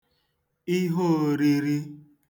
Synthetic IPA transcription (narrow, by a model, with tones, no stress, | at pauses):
i˦ɦo˦˨ɾi˦ɾi˦